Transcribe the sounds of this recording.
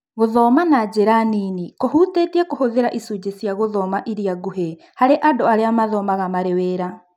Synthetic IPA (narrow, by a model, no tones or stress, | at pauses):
ɣoðɔːmanad͡ʑeɾaninikohutetiɛkohoðeɾaʔisud͡ʒesjaɣoðɔmaʔiɾiaɡoɦe | haɾeʔadoaɾeamaðɔmaɣamaɾeweɾa